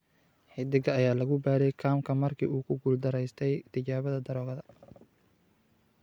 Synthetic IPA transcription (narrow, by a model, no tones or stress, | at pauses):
ħɪd̪ɪɣɐːjaːlɐɣʊbaːɾɛjkʰaːmkʰɐmɐrkʰḭːuːkʰʊɡʊld̪ɐɾɛjst̪ʰɛjt̪ʰɪt͡ʃaːβɐðɐd̪ɐɾɔːɣɐðɐ